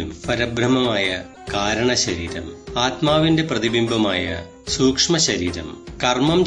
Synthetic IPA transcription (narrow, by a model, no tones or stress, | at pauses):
umfɐɾɐbrɐmɐmaːjɐ | kaːɾɐɳɐɕɐɾiːɾɐ̰maːt̪maːʋinde̞prɐðibimbʱɐmaːjɐ̰ | suːkʂmɐɕɐɾiːɾɐ̰mkɐrmɐm